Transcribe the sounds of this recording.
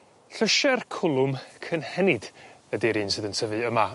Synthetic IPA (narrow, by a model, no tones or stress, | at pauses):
ɬəʃɛrkʰʊlˠʊmkʰənhɛnɪd | ədiɾiːnsɨːðəntʰəvɨəma